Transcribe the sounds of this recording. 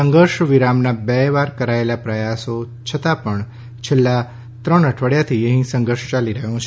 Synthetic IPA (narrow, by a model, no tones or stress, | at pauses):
əŋɡəɾʃʋiɾamnabɛʋaɾkəɾaelapɾəjaso | t͡ʃʰət̪apəɳ | t͡ʃʰelːa | t̪ɾəɳəʈʰʋəɽjat̪ʰiəɦĩsə̃ŋɡəɾʃt͡ʃaliɾəɦjõt͡ʃʰe